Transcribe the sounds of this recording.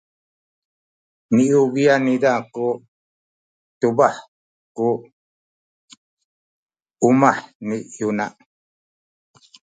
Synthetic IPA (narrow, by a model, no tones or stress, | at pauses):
niʔuβianidaku | t̪uβaħ | ku | umaħnijunaʔ